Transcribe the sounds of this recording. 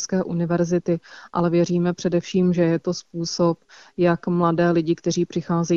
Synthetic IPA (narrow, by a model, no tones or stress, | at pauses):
skɛːʔunɪvɛɾzɪt̪ɪʔa̰lɛvjɛriːmɛpr̝̥ɛdɛfʃiːmʒɛjɛt̪o̞spuːso̞pjakmladɛːlɪɟɪkt̪ɛriːpr̝̥ɪxaːzɛ